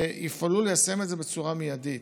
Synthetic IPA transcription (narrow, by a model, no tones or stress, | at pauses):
eifalulejase̞metze̞be̞t͡suʁamijadit